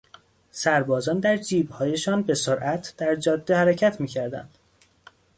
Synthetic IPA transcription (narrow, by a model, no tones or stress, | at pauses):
sæɾbɒːzɒːnd̪æɾd͡ʒiːbhɒːje̞ʃɒːnbe̞soɾʔæt̪ʰd̪̥æɾd͡ʒɒːd̪ːehæɾecʰæt̪ʰmiːcʰæɾd̪æ̰nd̪̥